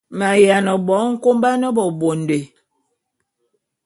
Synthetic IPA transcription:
ma˨ja˨nə˨bɔ˨˦ŋ̩˦ko˦mba˦nə˦bɔ˨bo˨nde˨

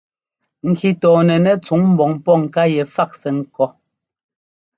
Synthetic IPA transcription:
ŋ̩˨kʰi˨tɔː˨nɛ˨nɛ˦t͡su˨˦ŋm̩˨bɔ˨ŋpɔ˦ŋ̩˨ka˦jɛ˨fa˦k̚sɛ˨ŋ̩˨kɔ˦

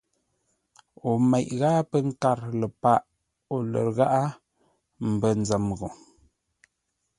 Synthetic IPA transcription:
o˨mɛ˨ʔɣa˦pə˦ŋ̩˦ka˦˨ɾlə˨pa˦˨ʔ | o˨lə̰˨ɾɣa˦ʔa˦ | m̩˨bə˦n˨d͡zə˨mɣo˨

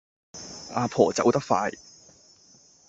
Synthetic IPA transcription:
ʔaː˧pʰɔː˨˩t͡sɐ˨˥wt̪ɐ˥k̚faː˧j

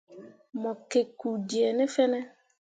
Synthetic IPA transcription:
mɔ˨ke˨ku˨di˨ɛ˨nɪ˦fɛ˦nɛ˦

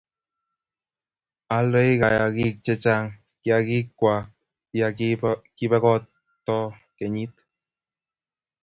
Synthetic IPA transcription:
a˨lo˦i˦ka˨jaki˦k̚t͡ʃɛ˦t͡ʃa˦ŋ | kja˨ki˦kːwʷa˨k̚ | jaki˦bɛ˦kɔ˦t | tːɔ˦ | kɛ˨ɲi˦t̪̚

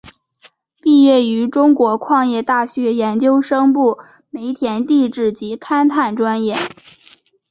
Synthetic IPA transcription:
pi˥˧jɛ˥˩y˧˥ʈ͡ʂʊ˥ŋkwɔ˧˥kʰwɑ˥˧ŋjɛ˥˧t̪a˥˩ɕɥɛ˧˥jɛ˧˥nt͡ɕjo˥ʊʂɤ˥ŋpu˥˩ | me˧˥ɪt̪ʰjɛ˧˥nt̪i˥˧ʈ͡ʂɻ̩˥˩t͡ɕi˧˥t̪ʰa˥nt̪ʰa˥˩nʈ͡ʂwa˥njɛ˥˩

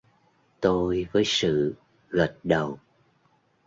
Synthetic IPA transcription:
t̪o˧jvəː˨˦jsɨ̰˧˨ | ɣə˨˩t̚ɗə˨˩w

